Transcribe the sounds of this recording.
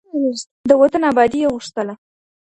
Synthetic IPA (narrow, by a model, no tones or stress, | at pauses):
d̪əwat̪ənabɑd̪ijeɣuʂt̪əla